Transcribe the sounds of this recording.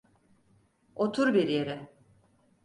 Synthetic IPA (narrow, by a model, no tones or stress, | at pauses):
ot̪ʰuɾbiɾjeɾɪ